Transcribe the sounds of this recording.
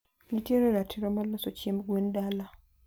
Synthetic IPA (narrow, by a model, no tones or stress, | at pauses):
ɲitjeɾeɾatʰiɾamalasocemuɡwendala